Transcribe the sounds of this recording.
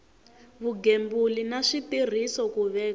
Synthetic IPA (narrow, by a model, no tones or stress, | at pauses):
βuɡembulinaʂitir̤isɔkuβɛːk